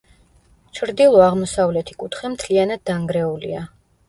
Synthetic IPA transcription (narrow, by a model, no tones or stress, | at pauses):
t͡ʃʰɾd̪ilˠɔaʁmɔsavlɛt̪ʰikʼut̪ʰχɛmt̪ʰlianad̪ːaŋɡɾɛulḭa